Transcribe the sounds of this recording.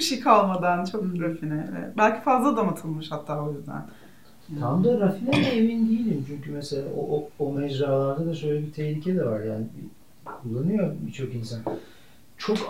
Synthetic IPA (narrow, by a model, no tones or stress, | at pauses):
biʃejkʰalˠmad̪ant͡ʃʰokɾafinɛɛ̰bælʲcʰi̥fazlˠad̪amat̪ʰɯlˠmɯʃhat̪ʰːaːojyzd̪æ̰n | t̪ʰamd̪aɾafinɛd̪ɛevind̪ijilʲimt͡ʃʰyɲcymɛselʲa̰ːooomɛd͡ʒɾaːlˠaɾd̪ad̪aʃø̞jlʲɛbit̪ʰɛçlʲicʰɛd̪ɛvaɾjaːnɪbḭ | kʰulˠːanɯjobit͡ʃʰo̞kinsan | t͡ʃʰo̞k